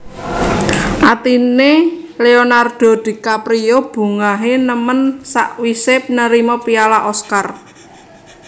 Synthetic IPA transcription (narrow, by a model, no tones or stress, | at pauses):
ʔat̪ineleonard̪̥o̤d̪̥i̤kapɾiob̥ṳŋaɦenəmənsa̰ʔwisepnəɾimɔpialaʔɔskar